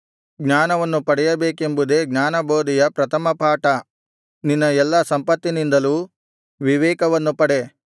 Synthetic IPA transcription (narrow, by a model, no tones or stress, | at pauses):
ɡɲaːnɐʋɐnːupɐɽɛjɐbeːke̞mbud̪e̞ːɡɲaːnɐbʱoːd̪ijɐpɾɐt̪ʰɐmɐpaːʈɐ | ninːɐɛlːɐsɐmpɐt̪ːinind̪ɐluː | ʋiʋɛːkɐʋɐnːupɐɽe